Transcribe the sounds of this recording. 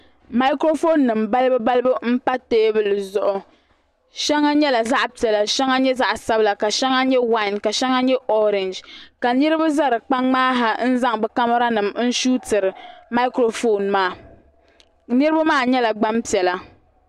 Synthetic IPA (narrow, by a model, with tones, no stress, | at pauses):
ma˦ɪ˦kɾo˦fo˦nːɨ˨mba˦lɨ˦bɨ˦ba˦lɨ˦bɨ˦m̩˦pa˦teː˦bɨ˦lɨ˨zʊ˦ʔʊ˨ | ʃɛ˦ŋːa˦ɲɛ˦la˨za˦ʔpi˨ɛ˨la˦ʃɛ˦ŋa˦ɲɛ˦za˦ʔsa˦bla˨ka˨ʃɛ˦ŋa˦ɲɛ˦wa˦ɪ˨nka˨ʃɛ˦ŋa˦ɲɛ˦ʔo˦ɾɪ˨nd͡ʒka˨nɨ˦ɾɨ˦ba˦za˦ɾɨ˨k͡pa˦ŋŋ͡maː˦ɦa˨n̩˦za˦ŋbɛ˨ka˦ma˦ɾa˦nɨ˨mn̩˦ʃuː˦tɨ˨ɾɨ˨ma˦kɾo˨fo˦nmaː˦˨ | nɨ˦ɾɨ˦ba˦maː˦˨ɲɛ˦la˨ɡ͡ba˦mpi˨ɛ˨la˦